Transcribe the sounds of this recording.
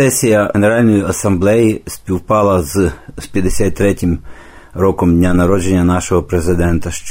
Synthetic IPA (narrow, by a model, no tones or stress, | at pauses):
ɛsʲijɐeneɾɑlʲnɔjiɐsɐmblˠɛjisʲpʲiwpɑlˠɐzpʲjɐd̪esʲat̪ʲt̪ːɾɛtʲɪm | ɾɔkɔmdʲnʲanɐɾɔd͡ʒe̞nʲːɐnɑʃɔɦɔpɾezɪd̪ɛnt̪ɐʃt͡ʃ